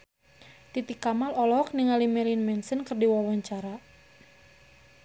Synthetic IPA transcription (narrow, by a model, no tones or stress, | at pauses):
t̪it̪ikamalɔlɔk̚niŋalimɛlinmɛnsənkərdiwawɔɲt͡ʃaɾa